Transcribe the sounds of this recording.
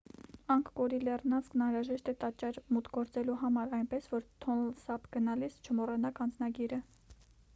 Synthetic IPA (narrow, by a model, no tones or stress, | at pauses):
ɑŋkʰkɔɾilɛrnɑnsknɑnɾɑʒɛʃt̪ɛt̪ɑt͡ʃːɛɾmut̪ɡɔɾt͡sɛluɦɑmɑɾɑjnpɛsvɔɾt̪ʰɔnlsɑpʰɡ̥ənɑlist͡ʃʰəmɔrɛnɑkɑnd͡znɑɡiɾə